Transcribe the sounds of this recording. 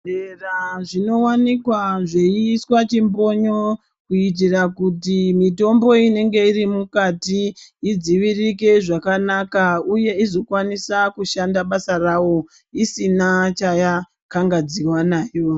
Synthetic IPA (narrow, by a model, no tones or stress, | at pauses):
eraʐino̞wanikwaʐe̞iswat͡ʃimbo̞ɲo̞ | kuit̬irakutimito̞mbo̞ine̞ŋɡe̞irimukatiid͡ziʋirike̞ʐakanakauje̞izo̞kwanisakuʃandaɓasarawo̞ | isinat͡ʃaja | kaŋɡad͡ziwanaːjo